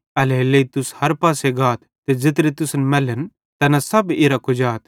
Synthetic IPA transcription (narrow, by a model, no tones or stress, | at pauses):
ɐleleit̪ʊshɐɾpaːseɡaːt̪ʰt̪ːed͡zɪt̪̬ɾet̪ʊsnmɐlən | t̪ɐnasɐbeːɾakʊd͡ʒaːt̪